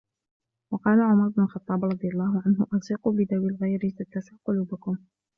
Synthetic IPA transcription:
wɑqɑːlaʕʊmɑɾˤʊbnʊlxɑt̪ˤːɑːbɾˤɑd̪ˤɨjalˤːɑːɦʊʕanɦʊʔɑsiːquːbɪd̪awɪlɣajɾɪzat̪ːasaqʊluːbakʊm

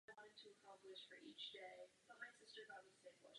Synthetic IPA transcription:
wɑ̃ñɨd̚tʰɨəkʰɑ̃mplɨʃfə˞ʔit͡ʃd̥eɪb̥ʌt̚maɪ̃nsɪstə˞ɡɑt̚miɨ̥sẽɪ̃nwʌ̰

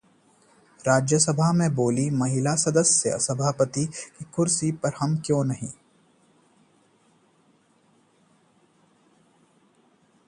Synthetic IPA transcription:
ɾaːd͡ʒjəsɐbʱaɦmẽboːlimɐɦɪlasɐd̪əsjə̰sɐbʱaːpət̪ikikʊɾsipɐɾhɐmkjõːnɐɦḭ̃ː

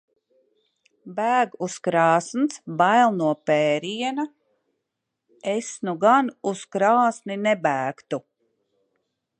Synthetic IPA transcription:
bæːɡuskɾɑːsnsbajlˠnuɔpɛːɾiɛna | esnuɡanuskɾaːsninebæːkt̪u

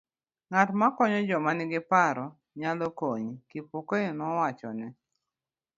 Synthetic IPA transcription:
ŋatmakɔɲɔd͡ʒɔmanɪɡɪpaɾɔ | ɲalɔkoɲkipokoenɔwat͡ʃɔ̰nɛ

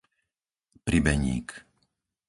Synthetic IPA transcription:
pɾibɛɲḭːk

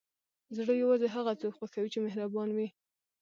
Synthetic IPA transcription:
zɽəjawɑzeɦaɣat͡sokwaxawit͡ʃemehɾabɑnwi

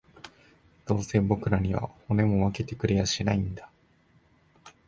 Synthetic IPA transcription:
d̪̥o̞ːsẽ̞bo̞kɯ̟ɾaɲ̟iβa̰ho̞ne̞mo̞βake̞t̪e̞kɯ̟ɾe̞jaɕinaĩnd̪a

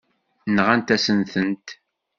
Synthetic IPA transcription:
nʁænt̪æsənθənt̪

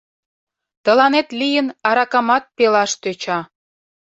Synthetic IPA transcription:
t̪ə̆lɑnet̪lʲijənɑɾɑkɑmɑt̪̚pelɑʃt̪øt͡ɕɑ

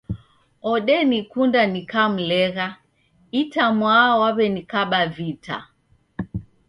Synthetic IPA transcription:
ɔɗɛnikundanikam̩lɛɣa | itamwawaβɛnikaɓavita̰

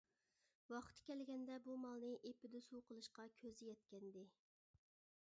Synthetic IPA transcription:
wɑqt̪ʰkʲɛlɡʲɛnd̪ɛbumɑlˠnɨʔepɪd̪usuwqəlˠɨʃqɑkʲʰøzɪjɛt̪̚kʲɛnd̪ɪ

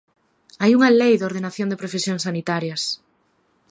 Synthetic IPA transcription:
ajuŋalejðoɾð̞enaθjond̪epɾefesjõŋsːanit̪aɾjɐs

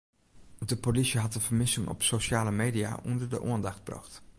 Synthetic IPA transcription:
dəpolisəɦɑtdəv̥əɹmɪsɪŋɔ̰psoʃaːləmejdija̰ʔɔndəɹdə̰ʔṵəndɑχd̚brɑ̰χt

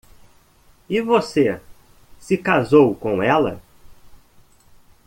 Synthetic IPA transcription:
ɪvose | sɪkazowkõw̃ɛlɐ̰

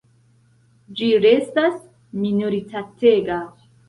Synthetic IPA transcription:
d͡ʒiɾestas | minoɾitateɡa

